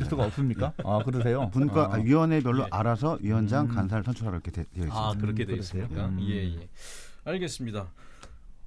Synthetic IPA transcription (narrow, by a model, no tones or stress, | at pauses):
es͈uɡaʌp̚s͈ɯmɲik͈aakɯɾɯs̬ʰe̞jopunkaʔaɥiwʌne̞bjʌɭːoʔaɾasʰʌɥiwʌnd͡ʑaŋkans̬ʰaɭsʰʌnt͡ɕʰuɾɦaɾʌkʰetejʌisakɯɾʌkʰesʰejojejeaɭɡe̞s͈ɯmɲida